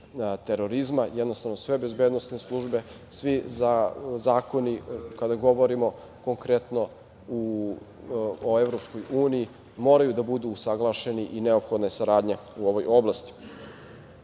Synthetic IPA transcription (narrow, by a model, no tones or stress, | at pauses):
t̪e̞ɾo̞ɾizmajɛd̪no̞st̪aʋnosʋe̞be̞zbeːd̪no̞sneslˠuʒbe̞ | sʋizazaːko̞nikad̪aɡo̞ʋo̞ɾimo̞ | koŋkɾe̞t̪no | u | oevɾo̞psko̞juːniji | mo̞ːɾajud̪abud̪uːsaɡlˠaːʃe̞niʔineopxo̞d̪nasaɾaːd̪ɲeuo̞ʋo̞jo̞blast̪i̥